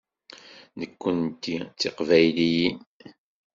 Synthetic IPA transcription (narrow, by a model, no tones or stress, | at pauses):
nəkʷːənt̪ːit͡sːiqvæjlijin